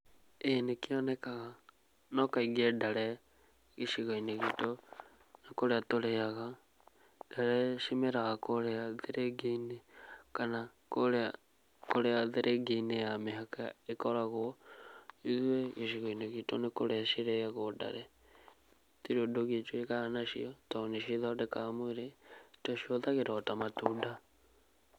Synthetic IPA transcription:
enekiɔnɛkaɣa | nɔkaiɡɛdaɾɛ | ɣiʃiɣaineɣito | nakoɾeatoɾeaɣa | d̥aɾɛʃimeɾaɣakoɾeaðeɾeɡeinekana | koɾea | koɾeaðeɾʔeɡenejameɦakaekɔɾaɣo | iðweɣeʃiɣoineɣitonekoɾeaʃiɾeɣaɣoda̰ɾɛ | tiɾodoɣiet͡ʃweɣaanaʃḭɔtaneʃiðɔdekamoeɾetoʃioðaɣeɾɔtamatuda

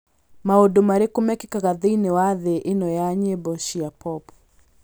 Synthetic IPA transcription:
maodomaɾekomɛkikaɣaðeinewaðeʔenɔjaɲebɔʃiapɔp

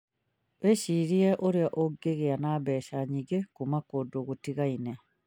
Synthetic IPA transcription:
βeɕiɾieʔoɾeaʔoɡeɣeanaβɛʃaɲiɡekumakodoɣutiɣaine

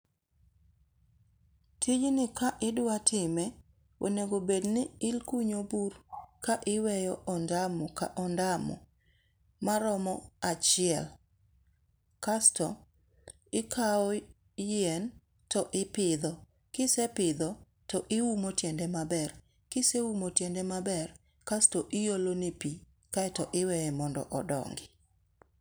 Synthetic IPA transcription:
tʰid͡ʒnɪkaʔɪdwatʰɪmɛ | wo̰neɡobednɪɪlkuɲoburkaʔɪwɛjɔʔɔndamɔka̰ʔɔndamɔ̰ | maɾɔmɔat͡ʃɪɛl | kastɔ | ɪkʰaɔ | jɛn | tɔʔɪpɪd̪ɔ | kɪsɛpɪd̪ɔ | tɔʔɪwumotjɛndɛmabɛr | kɪsewumotjɛndɛmabɛr | kastɔʔɪjolonepi | kaɛtɔʔɪwɛjɛmɔndɔ̰ʔɔdɔ̰ŋɡɪ

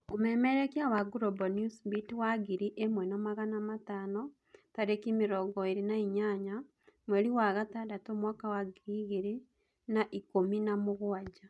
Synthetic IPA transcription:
omɛmeɾekjawaɡuɾobɔnjusbitwaɡiɾiʔemwɛnɔmaɣanamataːnɔ | taɾekimiɾɔɡɔeɾinaiɲaɲa | mweɾiwaːɣatadatomwaːkawaɡiɾiːɣeɾi | naʔikominamoɣwad͡ʒa

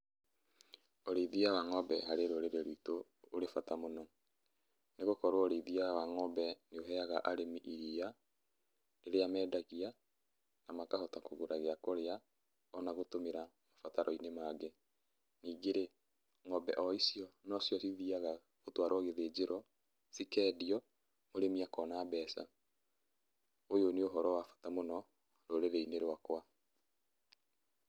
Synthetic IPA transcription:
oɾeiðiawaŋɔbɛɦaɾeɾoɾeɾeɾiːtoː | ɾefatamonɔ | neɣokɔɾwooɾeiðiawaŋɔbɛneoɦɛaɣaʔaɾemiʔiɾia | eɾejamɛːdaɣia | namakahotakoɣoɾaɣeakoɾea | ɔnaɣotomeɾamafataɾʔɔinemaːɡe | niːɡeɾe | ŋɔbɛʔɔisijɔnɔsjɔsiðiaɣa | ɣotwaɾwaɣeðed͡ʑeɾɔ | sikɛːdiɔ | moɾemiakɔnaːbɛːsa̰ | ojoneoɦɔɾɔwafḁtamonɔ | ɾoɾeɾeineɾwakwa

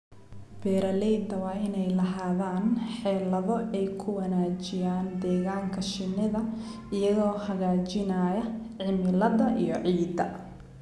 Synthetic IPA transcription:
b̥ɛːɾɐlɛːnd̪ɐwɑːɪnɛjlɐɦaːðaːnħɛːlɐðɔʔɛjkʰʊwɐnaːt͡ʃɪjaːnd̪ɛːɣaːŋkʰɐʃɪnːɪðɐ | ɪjɐðɔːhɐɣaːt͡ʃɪnaːjɐʕɪmɪlɐðɐʔijɔʕiːd̪ɐ

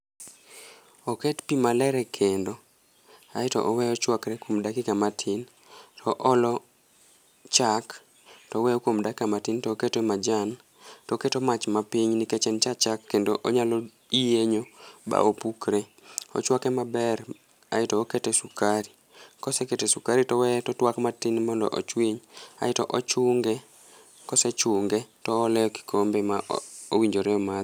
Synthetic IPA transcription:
oketpimalɛɾɛkʰendo | a̰ɪtɔ̰ʔɔwɛjɔt͡ʃwakɾɛkwomdakikamatʰin | tʰɔʔɔlɔ | t͡ʃak | tɔwɛjɔkwomdakikamatintɔːketemad͡ʒan | tɔketomat͡ʃmapiɲniket͡ʃɛnt͡ʃat͡ʃakːendoʔoɲalɔ | ijeɲoba̰ʔopukɾe | ɔ̰t͡ʃwakɛmabɛr | a̰ɪtɔːketesukaɾi | kɔseketesukaɾitɔwɛtɔtwakmatinmɔndɔ̰ʔɔ̰t͡ʃwiɲa̰ɪtɔʔɔt͡ʃʊŋɡe | kɔsɛt͡ʃʊŋɡɛtɔːlɛɔki̥kʰombemaowiɲd͡ʒoɾɛɔma

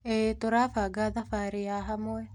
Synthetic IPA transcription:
et̪oɾafaɡaðafaɾɪaɦamoɛ

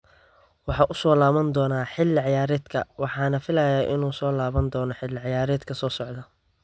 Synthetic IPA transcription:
wɑħɑːʔʊsɔːlaːβɐnd̪ɔːnaːħɪlːɪʕɑjaːɾɛːd̪kʰɐ̰wɑħɑːnɐfɪlɐjaːʔɪnuːsɔːlaːβɐnd̪ɔːnɔħɪlːɪʕɑjaːɾɛːd̪kʰɐsɔːsɔʕd̪ɐ

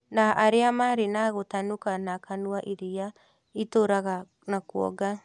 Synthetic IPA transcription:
naʔaɾeamaɾinaɣotanukanakanuaʔiɾia | itoɾaɣa | nakuɔ̰ɡa

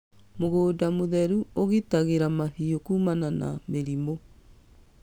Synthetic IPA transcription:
moɣoːdamoðɛɾuoɣitaɣeɾamaɦiokuːmanana̰meɾimo

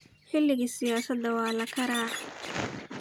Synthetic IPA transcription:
ħɪlːɪɣiːsɪjaːsɐd̪ːɐwɑːlɐkʰɐɾaːʕ

